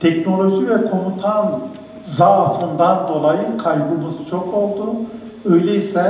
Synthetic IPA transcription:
t̪ʰɛcno̞lʲo̞ʒivɛkʰo̞nut̪ʰan | zafɯnd̪and̪o̞lˠajɯkʰajbɯmɯzt͡ʃʰo̞ko̞lˠd̪u | øjlʲejisɛ

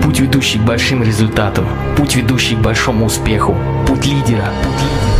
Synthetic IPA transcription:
putʲvʲɪd̪uɕːɪjɡ̚bɐlʲʂɨmɾʲɪzʊlʲt̪at̪əm | putʲvʲɪd̪uɕːɪjɡ̚bɐlʲʂo̞mʊːspʲe̞xʊ | putʲlʲidʲɪɾəputʲlʲ

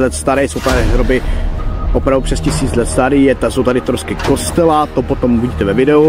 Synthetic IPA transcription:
lɛt̪st̪aɾɛjsowt̪adɪɦɾobɪ | ʔopɾavduprɛscɪsiːt͡slɛt̪st̪aɾiːjɛt̪aso̞wt̪adɪt̪ɾoskɪko̞st̪ɛlat̪opot̪omuviɟiːt̪ɛvɛvɪdɛu

